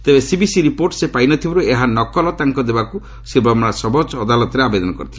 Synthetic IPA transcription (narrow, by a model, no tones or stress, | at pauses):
t̪ebesibisiɾipoɾʈsepajnɔt̪ʰibɔɾueɦanɔkɔlɔt̪aŋkɔd̪ebaku | sibamɔɽasɔbɔd͡ʒɔd̪alɔt̪ɔɾeabed̪ɔnɔkɔɾit̪ʰ